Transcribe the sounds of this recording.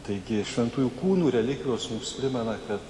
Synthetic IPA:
t̪ɐɪɡʲɪʃʲʋʲɛnt̪uːjuːkuːnuːɾʲɛlʲɪkʲʋʲoːsmumspʲɾʲɪmʲɛnɐkɐt̪

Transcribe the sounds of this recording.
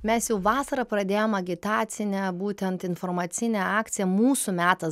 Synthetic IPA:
mʲɛsjɛʊʋɑːsɐɾɐpɾɐd̪ʲeːjomɐɡʲɪt̪ɑːt̪sʲɪnʲɛbuːt̪ʲɛnt̪ɪnfɔɾmɑt̪sʲɪnʲɛɑːkt̪sʲɪjɛmuːsumʲæːt̪ɐs

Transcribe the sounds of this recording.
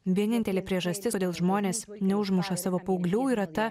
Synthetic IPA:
ʋʲiɛnʲɪnʲt̪ʲɛlʲeːpʲɾʲiɛʒɐsʲt̪ʲɪoːd̪ʲeːlˠʒmoːnʲeːs | nʲɛʊʒmʊʃɐsɑːʋoːpɐʊɡlʲuːɪɾɐt̪ɐ

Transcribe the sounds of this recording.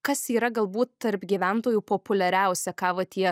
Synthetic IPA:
kɐsiːɾɐɡɐlˠbuːt̪t̪ɐɾpɡʲiːʋʲæˑnt̪oːjuːpoːpʊlʲɛɾʲæˑʊsʲɛkɑːʋɐt̪ʲiɛ

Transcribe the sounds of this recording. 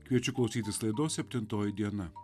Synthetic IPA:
kʋʲiɛt͡ʃʲʊklˠɒʊsʲiːt̪ʲɪslˠɐɪd̪oːsʲɛpʲt̪ʲɪnt̪oːjɪd̪ʲiɛnɐ

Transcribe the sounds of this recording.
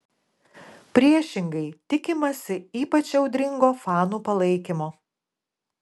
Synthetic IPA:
pʲɾʲiɛʃʲɪŋɡɐɪt̪ʲɪkʲɪmɐsʲɪiːpɐt͡ʃʲɛʊd̪ʲɾʲɪŋɡoːfɑːnuːpɐlˠɐɪkʲɪmoː

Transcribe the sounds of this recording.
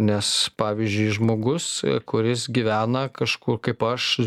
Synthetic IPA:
nʲɛspɑːʋʲizʲd͡ʒʲʊɪʒmoːɡʊskʊɾʲɪsɡʲiʋʲæːnɐkɐʃkuːrkɐɪpɐʃ

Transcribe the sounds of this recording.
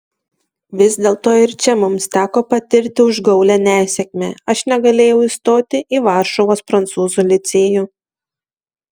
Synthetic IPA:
ʋʲɪzʲd̪ʲeːlˠt̪oːɪɾt͡ʃʲɛmʊmst̪ʲæːkoːpɐt̪ʲɪɾʲt̪ʲɪʊʒɡɒʊlʲæːnʲæːsʲɛkʲmʲɛːɐʃnʲɛɡɐlʲeːjɛʊiːˑst̪oːt̪ʲɪʔiːʋɑˑɾʃɔʋoːspɾɐnt̪suːzʊlʲɪt̪sʲeːjʊ

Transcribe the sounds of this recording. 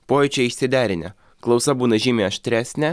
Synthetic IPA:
poːjɛt͡ʃʲɛɪʃʲsʲɪd̪ʲæːɾʲɪnʲɛ | klˠɒʊsɐbuːnɐʒʲiːmʲeːɐʃʲt̪ʲɾʲæːsʲnʲɛ

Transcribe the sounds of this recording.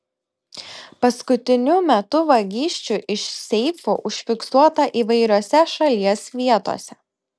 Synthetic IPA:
pɐskʊt̪ʲɪnʲʊmʲɛt̪ʊʋɐɡʲiːʃʲt͡ʃʲʊʔɪʃsʲɛɪfuʔʊʃʲfʲɪksuɔt̪ɐʔiːʋɐɪɾʲoːsʲɛʃɐlʲiɛsʋʲiɛt̪o̰ːsʲɛ

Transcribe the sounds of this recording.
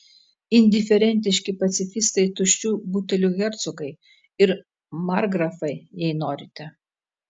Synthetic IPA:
ɪnʲd̪ʲɪfʲɛɾʲɛnʲt̪ʲɪʃʲkʲɪpɐt̪sʲɪfʲɪst̪ɐɪt̪ʊʃʲt͡ʃʲuːbuːt̪ʲɛlʲuːɣʲɛɾt̪sʊkɐɪ | ɪɾ | mɑɾɡɾɐfɐɪjɛɪnoːɾʲɪt̪ʲɛ

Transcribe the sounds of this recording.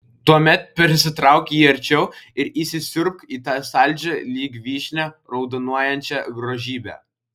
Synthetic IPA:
t̪uɔmʲɛt̪̚pʲɛɾʲsʲɪt̪ɾɑˑʊkʲjiːɐɾʲt͡ʃʲɛʊɪɾiːsʲɪsʲʊɾkiːt̪ɑːsɑˑlʲd͡ʒʲɛlʲiːɡʲʋʲiːʃʲnʲɛɾɒʊd̪ɔnuɔjɛnʲt͡ʃʲɛɡɾoːʒʲiːbʲæ̰

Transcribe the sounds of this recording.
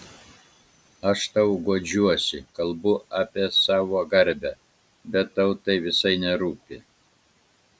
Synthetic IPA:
ɐʃt̪ɐʊɡoːd͡ʒʲuɔsʲɪkɐlˠbʊʔɑːpʲiɛsɑːʋoːɡɐɾʲbʲæ | bʲɛt̪ːɐʊt̪ɐɪʋʲɪsɐɪnʲɛɾuːpʲɪ

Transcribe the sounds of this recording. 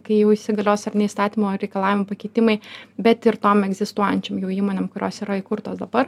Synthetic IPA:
kɐɪjɛʊɪʃʲsʲɪɡɐlʲoːsɐrnʲɛist̪ɑːt̪ʲiːmoːɾʲɛɪkɐlˠɑːʋʲɪmopɐkʲɛɪt̪ʲɪmɐɪbʲɛt̪ɪɾt̪oːmɛɡzʲɪst̪uɔjɛnʲt͡ʃʲɛmjɛʊiːmoːnʲeːmkʊɾʲo̰ːsiːɾɐikʊɾt̪oːsd̪ɐbɐr

